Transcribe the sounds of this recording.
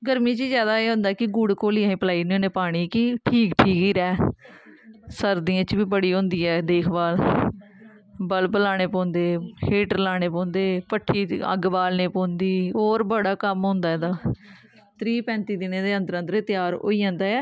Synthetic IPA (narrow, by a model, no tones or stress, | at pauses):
ɡəɾmĩːt͡ʃizjaːd̪aːeːɦʊ̃ːnd̪aːkɪɡʊɽkoːliːãːĩːpəlaːiːniːõːneːpaːɽ̃iːkɪʈʰiːkʈʰiːkiːɾɛː | səɾd̪iːãːt͡ʃbiːbəɽiːɦʊ̃ːnd̪iːɛːd̪eːkʰbaːl | bəlpəlaːɽ̃eːpɔ̃ːnd̪eːheːʈəɾlaːɽ̃eːpɔ̃ːnd̪eːpəʈʰːiːə̰ɡbaːlneːpõːnd̪iːɦoːɾbəɽaːkəmɦõːnd̪aːɛːd̪aː | t̪ʰɾiːpɛ̃ːnt̪iːd̪ɪnẽːd̪eːə̃nd̪əɾə̃nd̪əɾeːt̪ɪjaːɾɦo̰ːiːãːnd̪aːɛː